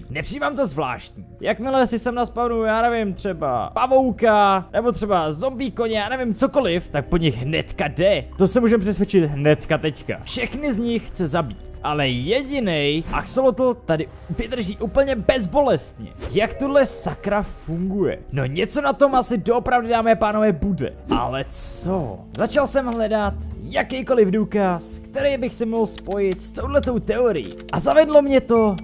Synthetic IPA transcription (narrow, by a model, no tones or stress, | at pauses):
nɛpr̥ijiːmaːmt̪o̞zvla̰ːʃt̪̚ɲiːjakmɪlɛsɪsɛmnaspavnujaːnɛvɪmt̪r̝̥ɛba̰pavo̞wkanʔɛbot̪r̥ɛbazo̞mbiːkoɲɛjaːnɛvɪmt͡so̞ko̞lɪft̪ak̚po̞ɲɪxɦnɛ̰t̪kadɛt̪o̞sɛmuːʒɛmpr̥ɛsvʲjɛt͡ʃɪt̪ɦnɛt̪kat̪ɛcka̰fʃɛxnɪzɲɪxxt͡sɛzabḭːt̪ʔalɛjɛɟɪnɛjʔa̰ksolot̪l̩t̪adɪ | vɪd̪r̩ʒiːʔuːpl̩ɲɛbɛzbo̞lɛst̪ɲɛ̰jakt̪udlɛsakɾafuŋɡujɛ̰no̞ɲɛt͡so̞nat̪o̞mʔasɪdoʔopɾavdɪdaːmɛːpaːno̞vɛːbudɛ̰ʔa̰lɛt͡so | zat͡ʃalsɛmɦlɛdat̪jakejko̞lɪvduːkaskt̪ɛɾɛjbɪxsɛmɲoɦlspo̞jɪt̪st̪o̞wdlɛt̪o̞wt̪ɛoɾɪ̰jḭːʔazavɛdlo̞mɲɛt̪o̞